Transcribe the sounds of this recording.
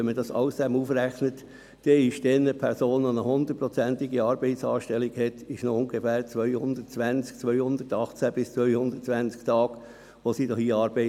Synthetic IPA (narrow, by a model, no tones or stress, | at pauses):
ɛnmədɑsɑ̰ʊsd̥ɛmufɾæχnət | d̥ɛɪʃd̥ɛnːəpʰɛɾsoːnʋonəhʊnd̪ətpɾɔt͡sænt̪iɡiɑːɾbɛɪtsɑ̰ːʃtɛliɡhɛt̪ɪʃnoʊŋɡefæːɾt͡sʋœʏhʊnd̪ətt͡sʋænt͡sk̚t͡sʋœʏhʊnd̪ətɑχt͡sæb̥ɪst͡sʋœʏhʊnd̪ətt͡sʋænt͡skt̪ɑːɡ̥ | ʋosiːdɔxiɑɾbɛɪ